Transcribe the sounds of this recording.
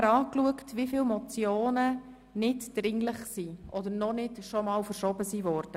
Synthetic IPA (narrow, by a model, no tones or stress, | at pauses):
ɾɑːkluəktʋifɪːlmɔt͡sjoːnə | nɪtd̥ɾɪŋlɪχsiːʔɔdəɾnɔnɪtʃɔmɑːlfəɾʃɔbəsiːvɔːɾd̥ə